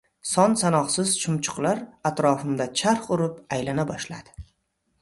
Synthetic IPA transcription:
sɒnsanɒqsɪzt͡ʃʰʊmt͡ʃʰʊ̥qlˠaɾat̪ɾɒfɪmd̪at͡ʃʰaɾχʊɾɪpajlanabɒʃlad̪̥ɪ̥

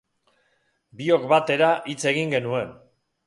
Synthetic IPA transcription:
bio̞kbat̪e̞ɾaʔit͡se̞ɣ̞iŋɡe̞nue̞n

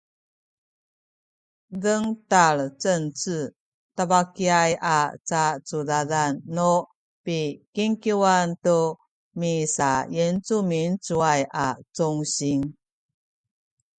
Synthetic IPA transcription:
dəŋtaɭt͡sənt͡sɨ | tabakiajat͡sat͡sudadanːo | pikiŋkiwantu | misajent͡sumint͡suajat͡sɔŋɕiŋ

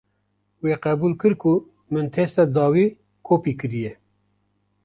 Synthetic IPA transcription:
weːqɛbuːlkɨɾku | mɨnt̪ʰeːst̪ɛd̪ɑːwiː | kʰoːpiːkɨɾijɛ

